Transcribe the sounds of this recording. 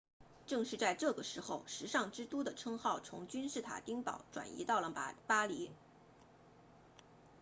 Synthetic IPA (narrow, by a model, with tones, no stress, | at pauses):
ʈ͡ʂɤ˥˧ŋʂɻ̩˥˧t͡sa˥˧ɪʈ͡ʂɤ˥˩ɡə˩ʂɻ̩˧˥xo˥˧˩ʊʂɻ̩˧˥ʂɑ˥˩ŋʈ͡ʂɻ̩˥t̪u˥d̪ə˨ʈ͡ʂʰɤ˥ŋxɑ˥˩ʊt͡sʰʊ˧˥ŋt͡ɕy˥nʂɻ̩˥˩t̪ʰa̰˨˩t̪i˥ŋt̪ɑ̰˨˩˦ʊʈ͡ʂwa̰˨˩nḭ˧˥t̪ɑ˥˩ʊlə˩pa̰˨˩pa˥li˧˥